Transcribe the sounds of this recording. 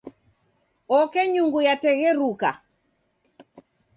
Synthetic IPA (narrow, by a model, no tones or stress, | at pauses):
ɔkɛɲuŋɡujatɛɣɛɾuka